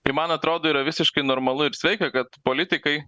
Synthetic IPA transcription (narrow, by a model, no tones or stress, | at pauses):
ɪmɐnɐt̪ɾoːd̪oːiːɾɐʋʲɪsʲɪʃkɐɪnoːɾmɐlˠʊɪɾsʲʋʲɛɪkʲɛkɐt̪poːlʲɪt̪ʲɪkɐɪ